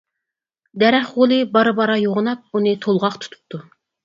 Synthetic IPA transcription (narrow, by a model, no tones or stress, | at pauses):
d̪ɛɾɛχʁolˠɨbɑɾɨbɑɾɑjoʁənɑp̚unɨt̪ʰolˠʁɑqt̪ʰu̥t̪ʰu̥p̚t̪ʰu